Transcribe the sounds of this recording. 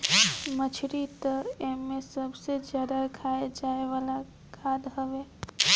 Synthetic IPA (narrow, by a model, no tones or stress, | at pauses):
mət͡ʃʰɾit̪ɐeɦmːẽsɐbsezjaːd̪akʰaːed͡ʒaːeʋala | kʰaːd̪ɦɐʋeː